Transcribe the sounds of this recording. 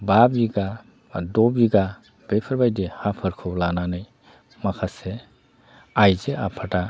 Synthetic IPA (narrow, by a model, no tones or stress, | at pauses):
babiɡa | dɔbiɡa | b̥ejpʰɯɾbajdehapʰɯɾkʰɔblananɯj | makʰase | ajzeapʰata